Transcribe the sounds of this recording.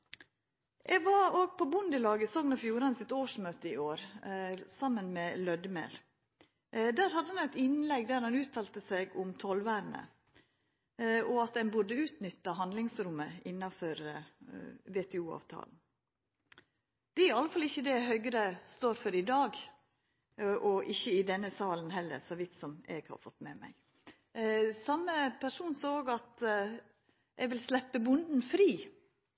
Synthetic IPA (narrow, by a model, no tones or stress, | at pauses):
ʔɛɡʋɑɾoːɡ̚pʰɔbʊnd̪əlɑːɡəsɔːŋnɔfjuːɾɑnsɪt̪oːʂmøːt̪əɪoːɾ | sɑmːənmɛlœd̪mḛːl | d̪æːɾhɑd̪əhɑnæt̪ɪnlɛɡd̪æːɾhɑnʉːt̪ʰːɑːlt̪əsɛɡʊmt̪ʰɔlʋæːɾnə̰ | ɔɑt̪̚d̪ɛnbʊɖəʉːt̪nʏt̪ːɑɦɑnd̪lɪŋsɾʊməɪnːɑfɔɾ | ʋeːt̪ʰɛuːɑ̰ːʋt̪ʰɑ̰ːln̩ | d̪̥ɛæɾɑləfɑlɪçːəd̪ɛɦœʏɡɾəst̪oːɾfɔɾɪd̪ɑːɡ | ʔɔʔɪçːəɪd̪ɛnːəsɑːlənhɛlːə̰ɾsɔʋɪt̪sɔmɛ̰ɡhɑ̰ɾfɔt̪ːmɛːmæ̰ɪ | sɑmːəpʰæʂuːnsoːoːɡɑt̪ | ʔɛɡʋɪlslɛpːəbʊnd̪n̩fɾiː